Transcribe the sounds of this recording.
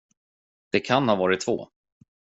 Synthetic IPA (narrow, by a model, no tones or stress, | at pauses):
d̪̥ɛkʰanhɑːvɑːɾɪt̪ʰːvo̰ː